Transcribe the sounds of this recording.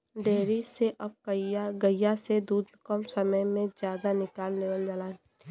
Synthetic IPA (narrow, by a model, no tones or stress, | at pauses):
ɖeːɾiseʔɐb̚kəaɡəjːased̪uːd̪kɔmsəməjmẽzjaːd̪anɪkaːlneːʋəld͡ʒalaː